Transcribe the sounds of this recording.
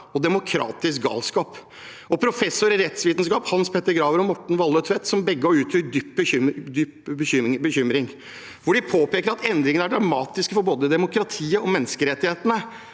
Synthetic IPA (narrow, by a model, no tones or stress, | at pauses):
ɔd̪ɛmʊkʰɾɑ̰ːt̪ɪsk̚ɡɑ̰ːlskɑːp | ɔpʰɾʊfɛsːʊɾɪɾɛt̪sʋiːt̪n̩skɑːphɑnspʰɛt̪ːəɾɡɾɑːʋəɾɔmɔʈːɳ̩ʋɑlːœt̪ʰʋɛt̪sɔmbɛɡːəɔʉːt̪ʰʏd̪yːp̚ːbəd̪yːpbəʏbəçʏmɾɪŋ | ʋʊɖɪpʰoːpeːkəɾɑt̪ɛnd̪ɾɪŋəəæɖɾɑmɑːt̪ɪskəfɔɾboːd̪əd̪ɛmʊkʰɾɑt̪ʰiːəɔmɛnːəskəɾɛt̪ːɪheːt̪ənə